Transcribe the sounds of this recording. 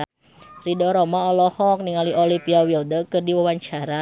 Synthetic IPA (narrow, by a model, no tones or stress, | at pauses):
ridɔɾɔmaɔlɔhɔk̚niŋaliʔɔlipiawildəkɨrdiwawaɲt͡ʃaɾa